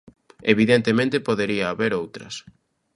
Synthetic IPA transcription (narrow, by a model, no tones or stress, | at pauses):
eβiðent̪emẽnt̪ɪpoðeɾiɐːβeɾowt̪ɾɐ̰s